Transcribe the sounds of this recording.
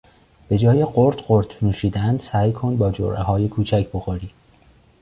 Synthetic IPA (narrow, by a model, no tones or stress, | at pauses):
b̥e̞d͡ʒɒːjeɢoɾt̪ʰɢoɾt̪ʰnuːʃiːd̪ænd̪̥sæːjkʰo̞nbɒːd͡ʒo̰ɾʔḛɦɒːje̞kʰuːt͡ʃʰæcʰbo̞xoɾiː